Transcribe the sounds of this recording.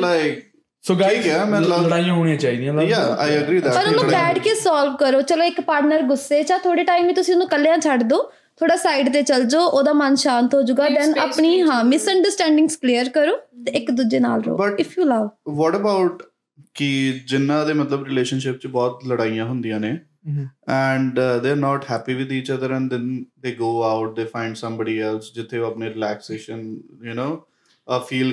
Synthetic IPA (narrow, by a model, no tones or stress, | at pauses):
laɪk | soːɡaiːkɛmɛ̃ːlləɽaːijãːɦoːɽ̃jãːt͡ʃaːiːd̪ijãːljaːa̰ːjəɡɾiːd̪ɛpəɾʊnũːbɛːɖkesaːlʋkəɾoːt͡ʃəloːɪkpaːɾʈnəɾɡʊsːeːt͡ʃãːt̪ʰoːɽeːʈaːimʋiːt̪ʊsĩʊnũːkəlejãːt͡ʃʰəɖd̪oː | t̪ʰoːɽaːsaːɪɖt̪eːt͡ʃəld͡ʒoːʔoːd̪aːmənʃaːnt̪ɦoːd͡ʒʊɡaːd̪ɛ̃ːnapɳiːɦãːmɪsəɳɖəɾsʈɛ̃ːɳɖɪ̃ŋɡskliːəɾkəɾoːt̪eɪkd̪ud͡ʒeːna̰ːlɾo̰ːbəʈːɪfʰjuːləʋʋɔːʈəbaʊʈ | kɪd͡ʒɪnːãːd̪eːmət̪ləbɾɪleːʃənʃɪp̚t͡ʃbɔːt̪ləɽaːijãːɦʊ̃nd̪ijãːneː | ɛ̃ɳɖd̪eːəɾnɔːʈhɛːpiːʋɪd̪iːt͡ʃəd̪əɾɛ̃nd̪ɛ̃nd̪eːɡoːaʊʈ̚d̪eːfãɪ̃ɳɖsə̃mbəːɖiːɛlsd͡ʒɪt̪ʰːeːoːəpneːɾɪlɛːkseːʃənjunoː | əfʰiːl